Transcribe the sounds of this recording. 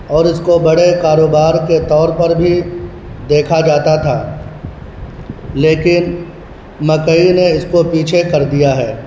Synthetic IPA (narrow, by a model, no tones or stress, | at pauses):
ɔːɾɪskobɐɽekaːɾoːbaːɾket̪ɔːɾpɐɾbʱi | d̪eːkʰad͡ʒaːt̪at̪ʰaː | leːkɪn | mɐkəineɪskopiːt͡ʃʰekɐɾd̪ijaɦɛː